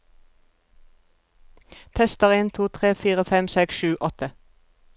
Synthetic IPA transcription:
t̪ʰɛst̪əʁɪnt̪ʰuːt̪ʰʁeːfiːʁəfɛmsɛksʃʉːʔɔt̪ʰə

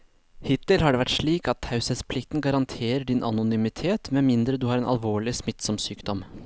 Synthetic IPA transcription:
hɪt̪ɪlɦɑɖɛʋæʈʂɭiːkɑt̪hɑʉsəspʰlɪk̚t̪n̩ɡɑɾɑnt̪ʰeːɾəɖɪnʔɑ̰nʊnymɪt̪ʰeːt̪mɛmɪnd̪ɾəd̪ʉhɑɾɛːnɑ̰lʋoːɭɪsmɪt̪sɔmsyːkd̪ɔm

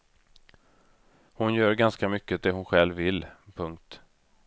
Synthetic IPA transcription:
hʊnjœːɾɡanskamʏkːəd̪ɛɦʊnɧɛlvɪlːpʰɵŋk̚t̪

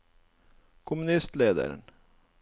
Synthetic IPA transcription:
kʰʊmʉnɪst̪leːd̪ə̰ɾə̰ɳ

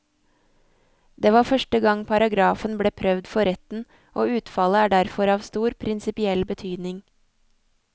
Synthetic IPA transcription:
d̪eːʋɑːfœʃʈəɡɑŋpʰɑɾɑɡɾɑːfənbleːpʰɾœʋd̪fɔɾɛt̪n̩ | ʔoːʉːt̪fɑləæːɖæɾfɔɾɑːʋst̪uːɾpʰɾɪnsɪpɪɛlbət̪ʰyːd̪nɪŋ

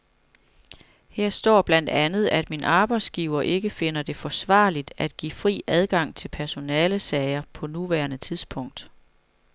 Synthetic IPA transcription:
heɐ̰sd̥ɒ̰ːb̥læn̰d̥ænð̞̩ˠæd̥minʔɑ̈ːb̥ɑ̈ɪd̥sɡ̥iːʊɐʔe̝ɡ̥əfe̝nɐd̥e̝fɒ̽sʋɑ̰̈ːlid̥æd̥̚ɡ̥ḭːfʁḭːæð̞ˠɡ̥ɑ̈ŋ̰t͡sʰe̝lpʰæɐso̝nɛːləsɛɪɐpʰɒ̽nuʋæɐnət͡sʰiðˠsb̥ʰɔ̽ŋ̰d̥

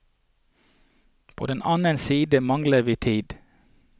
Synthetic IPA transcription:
pʰo̰ːd̪ɛnʔɑːnənsiːd̪əmɑŋləʋiːt̪ʰiːd̪

